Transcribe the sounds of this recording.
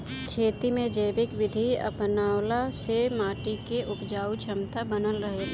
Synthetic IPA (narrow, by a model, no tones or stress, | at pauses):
kʰeːt̪imẽd͡ʒəjbɪkʋɪd̪ʱiɐ̰pnaːwlasemaːʈikeʔʊpd͡ʒaːut͡ʃʰəmt̪abənəlɾəɦe